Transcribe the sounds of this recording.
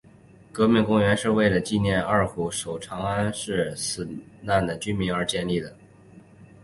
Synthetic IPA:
kɤ˧˥mi˥˧ŋkʊ˥ŋɥɛ˧˥nʂɻ̩˥˧we˥˩ɪlə˩t͡ɕi˥˧njɛ˥˧nə˞˥˩xu˧˥ʂo˨˩ʊʈ͡ʂʰɑ˧˥ŋa˥nʂɻ̩˥˩sɹ̩˨˩na˥˩nd̪ə˩t͡ɕy˥nmi˧˥ŋə˞˧˥t͡ɕjɛ˥˧nli˥˩d̪ə˩

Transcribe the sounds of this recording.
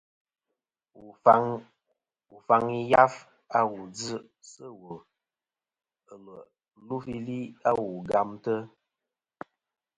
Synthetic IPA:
u˨a˦ŋ | u˨fa˦ŋi˦ja˦f | a˦wu˨d͡zɨ˦ | sə˦wə˨ | ə˨lə˨˦ | lu˦fi˦li˦a˦wu˨ɡa˦mtə˦

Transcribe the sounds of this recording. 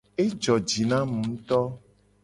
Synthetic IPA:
e˦d͡ʒɔ˨d͡ʒi˨nã˦mũ˨˦t̪ɔ˦

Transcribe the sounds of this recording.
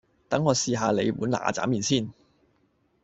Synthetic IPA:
t̪ɐ˨˥ŋːɔː˨˧siː˨ɦaː˧le˨˧jwuː˨˥nla̰ː˨˧t͡saː˨˥miː˨nsiː˥˩n

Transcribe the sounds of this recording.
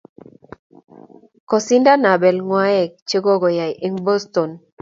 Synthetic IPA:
kɔ˨si˦nda˦na˨bɛ˨lŋwa˦jɛ˨k̚t͡ʃe˦ɡɔ˦ɡɔ˨ja˨jʔi˦ŋbɔ˦sto˨n

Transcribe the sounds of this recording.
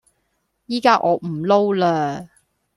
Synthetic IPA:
jiː˥kaː˥ʔɔː˨˧m̩˨˩lo˥wlaː˧

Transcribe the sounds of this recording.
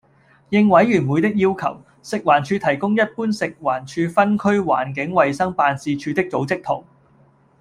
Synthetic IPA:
jɪ˧ŋwɐ˨˥jɥyː˨˩nmuː˨˧jt̪ɪ˥k̚jiː˥wkʰɐ˨˩w | sɪ˨k̚waː˨˩nt͡ʃʰyː˨˧t̪ʰɐ˨˩jkʊ˥ŋjɐ˥t̚puː˥nsɪ˨k̚waː˨˩nt͡ʃʰyː˧fɐ˥nkʰɵ˥ɥwa̰ː˨˩nk̬ɪ˨˥ŋwɐ˨jsɐ˥ŋpaː˧nsiː˧t͡ʃʰyː˨˧t̪ɪ˥k̚t͡so˨˥wt͡sɪ˥k̚t̪ʰʊ˨˩ŋ

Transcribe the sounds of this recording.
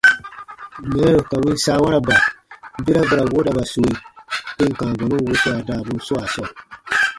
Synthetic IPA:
mɛ˨ɾɛ˦ɾo˨ka˨wĩ˦n˦saː˦wa˦ɾa˨ba˨˦bi˦ɾa˦bɛ˨ɾa˨wo˦da˨ba˨su˨i˨˦tẽ˦ŋ˨kãː˨ɡɔ˨nũ˦wu˦tɛ˦a˨daː˨bu˦n˦sɔ˦a˨sɔ˨

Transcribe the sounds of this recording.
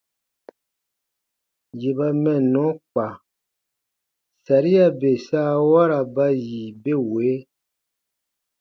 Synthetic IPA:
je˨ba˨mɛ̃˦˨nɔ̃˨˦k͡pa˨ | sa˨ɾi˦a˦˨be˨saː˦wa˦ɾa˨ba˦ji˨be˦we˨˦

